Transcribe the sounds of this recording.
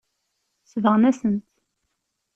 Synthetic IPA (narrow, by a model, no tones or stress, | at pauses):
svəʁnæsənt̪